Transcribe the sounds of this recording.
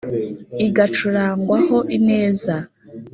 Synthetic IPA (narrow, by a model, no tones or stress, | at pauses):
iɡat͡ʃuɾaːŋɡwaho̞ʔine̞ːza